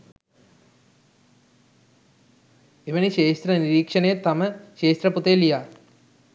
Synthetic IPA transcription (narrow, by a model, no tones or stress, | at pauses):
eʋɐniɕeːʃt̪ɾɐniɾiːkʂɐnejet̪ɐmɐɕeːst̪ɾɐput̪ejlijaː